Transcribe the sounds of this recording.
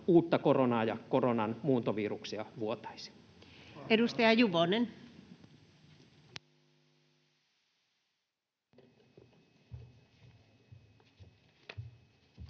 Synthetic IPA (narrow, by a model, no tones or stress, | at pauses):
uːt̪ːɑkoronɑːjɑkoronɑnmuːt̪oʋiːruksiɑʋuot̪ɑ̥isi̥ | edust̪ɑjɑjuʋonen